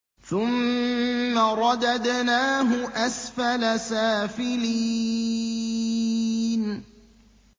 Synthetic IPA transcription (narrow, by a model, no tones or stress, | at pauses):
θʊmː | aɾˤɑd̪ad̪naːɦʊʔasfalasaːfɪli | n